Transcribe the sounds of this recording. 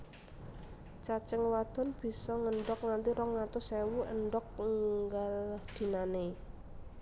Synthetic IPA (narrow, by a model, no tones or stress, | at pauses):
t͡ʃat͡ʃəŋwad̪̥ɔ̤nb̥i̤sɔŋəɳɖɔk̚ŋant̪iɾɔŋːat̪ʊsewuəɳɖɔk̚ŋŋŋɡald̪̥i̤nane